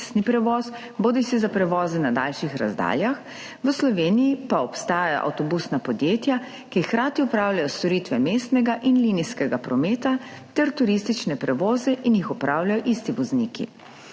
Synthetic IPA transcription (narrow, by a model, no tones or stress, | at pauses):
st̪nipɾɛʋɔːs | boːd̪isizapɾɛʋɔːzɛnad̪a̰ːlʃixɾa̰zd̪a̰ːljax | ʋəslɔʋeːnijipaɔpst̪aːjaja̰ʔa̰wt̪ɔbusnapɔd̪jeːt̪ja | kixkɾaːt̪iɔpɾaːwlʲjajɔst̪ɔɾiːt̪ʋɛmeːst̪nɛɡaʔinliːniskɛɡapɾɔmeːt̪at̪ɛɾt̪uɾist̪it͡ʃnɛpɾɛʋɔːzɛʔinjixɔpɾaːwljajɔʔist̪iʋɔzniːkḭ